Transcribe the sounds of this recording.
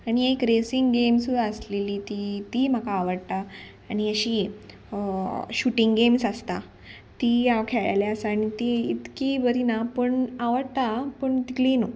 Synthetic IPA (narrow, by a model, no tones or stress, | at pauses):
aɽ̃iekɾesiŋɡɡemsud̪ʱaəsleliːt̪it̪iːm̤akaːʋəɽt̪a | aɽ̃iəɕiː | ɕuʈiŋɡɡemsəst̪a | t̪ijaʋkʰeɭa̰jlaəsːɽ̃it̪iit̪kiːbəɾʱinapəɳaʋəɽt̪apəɳt̪ikliːno